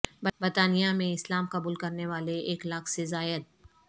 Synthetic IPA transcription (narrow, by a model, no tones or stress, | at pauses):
bbəɾt̪aːnijamẽɪslaːmqɐbuːlkɐɾneʋaːleʔeːklakʰsezaːjəd̪̚